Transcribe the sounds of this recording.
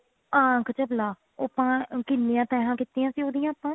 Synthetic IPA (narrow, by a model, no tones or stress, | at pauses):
ãːkət͡ʃəblaː | opːãːkɪnːeːãːt̪ɛːɦãːkɪt̪ːiːãːsiːoːd̪ijãːəpãː